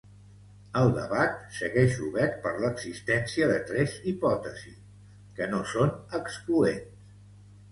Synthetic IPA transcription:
əlˠd̪ə̰βat̪səɣɛʃuβɛɾt̪̚pəɾləɡzist̪ɛnsiəðət̪ɾɛzipɔt̪əzi | kənosonəkskluens

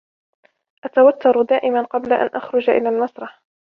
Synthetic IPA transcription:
ʔat̪awat̪ːʊɾˤd̪aːʔɪmanqɑblaʔa̰nʔa̰xɾʊd͡ʒaʔɪ̰laːlmasɾˤɑħ

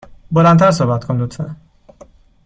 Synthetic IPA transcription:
bolænt̪ʰæɾs̬ohbæt̪kʰond̪ut̪ʰfḛ

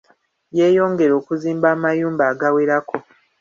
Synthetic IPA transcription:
jeːjo̞ːŋɡe̞ɾo̞ːkuziːmbaːmajuːmbaːɡaweɾakʰo̞

